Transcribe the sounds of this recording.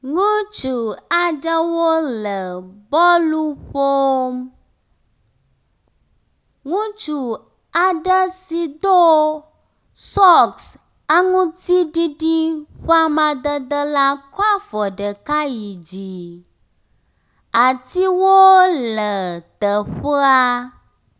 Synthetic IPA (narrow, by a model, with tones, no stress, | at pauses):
ŋũ˦t͡ʃu˨a˨ɖə˦wo˦lə˨bɔ˦lu˦ɸo˦m | ŋũ˦t͡ʃu˨ | a˨ɖə˦si˨d̪o˦ | sɔ˦ks | ə˦ŋũ˦t̪i˦ɖi˦ɖi˦ɸa˦mã˨d̪ə˦d̪ə˦la˦kɔ˦a˦fɔ˨ɖə˨ka˦ji˨d͡ʑi˨ | a˨t̪i˦wo˦lə˨t̪ə˨ɸə˦a˦